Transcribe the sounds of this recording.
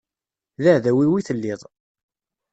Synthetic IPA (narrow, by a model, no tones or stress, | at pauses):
ðæʕðæwiwiθəlːɪðˤ